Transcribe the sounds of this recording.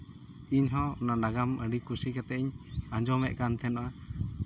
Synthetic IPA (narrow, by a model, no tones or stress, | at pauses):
iɲɦɔ̃naɖaɡaməɖikusikɛt̪ɛʔiɲaɲd͡ʒɔmɛʔkant̪ʰɛnɔʔa